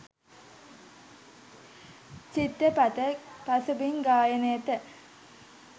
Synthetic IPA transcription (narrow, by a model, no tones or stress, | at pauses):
t͡ʃit̪ːəpat̪əpasubiŋɡaːjənəjət̪ə